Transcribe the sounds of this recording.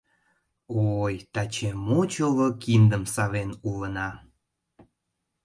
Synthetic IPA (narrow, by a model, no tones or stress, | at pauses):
ojt̪ɑt͡ɕemot͡ɕolokind̪əmsɑβenulənɑ